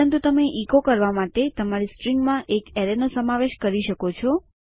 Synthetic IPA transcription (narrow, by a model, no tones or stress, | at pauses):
ənt̪ut̪əmeʔikokəɾʋamaʈet̪əmaɾisʈɾiŋɡmãʔekɛɾenosəmaʋeʃkəɾiʃəkot͡ʃʰɔ